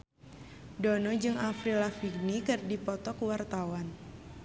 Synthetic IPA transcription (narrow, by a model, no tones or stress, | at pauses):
dɔnɔd͡ʒɨŋafɾilafiɡnikɨrdipɔt̪ɔkwart̪awan